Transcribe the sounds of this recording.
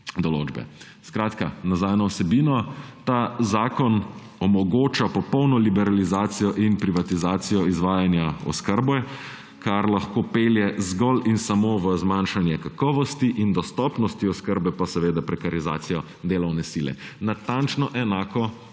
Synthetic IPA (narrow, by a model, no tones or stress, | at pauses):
d̪ɔlo̰ːd͡ʒbɛ̰ | skɾaːt̪ka̰nazaːjnɔwsɛbiːnɔt̪azaːkɔn | ɔmɔɡoːt͡ʃapɔpɔwnɔlibɛɾalizaːt̪sijɔʔinpɾiʋat̪izaːt̪sijɔizʋaːjanjaɔ̰skəɾbɛ | kaɾlaxkoːpeːljɛzɡɔlinsamoːʋəzmanʃanjɛkakɔːʋɔst̪iʔind̪ɔst̪ɔpnɔst̪iɔskəɾbɛpasɛʋeːd̪apɾɛkaɾiza̰ːt̪sijɔ | d̪eːlɔwnɛsilɛ̰nat̪ant͡ʃnɔʔɛnaːkɔ